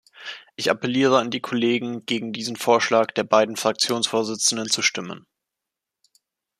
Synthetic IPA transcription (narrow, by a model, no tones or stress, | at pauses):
ʔɪça̰pɛliːʁ̞əandiːkʰɔleːɡŋ̩ɡ̥eːɡŋ̩diːzn̩foːɐʃlaːkd̥eːɐbaɪdn̩fʁ̥ak̚t͡sjoːnsfoːɐzɪt͡sn̩dənt͡suʃtɪmə̰n